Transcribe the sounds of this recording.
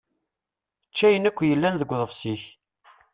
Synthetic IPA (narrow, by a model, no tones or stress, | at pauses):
t͡ʃːæjənækʷːjəlːænðəɡʷːðˤəfsiç